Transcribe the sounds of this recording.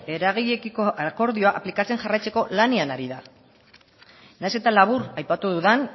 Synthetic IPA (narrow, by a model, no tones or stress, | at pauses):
e̞ɾaɣiɣekikoako̞ɾðio̞aʔaplikat͡se̞nʝarajt͡se̞ko̞laneanaɾiða | najse̞t̪alaβ̞uɾajpat̪uðuðan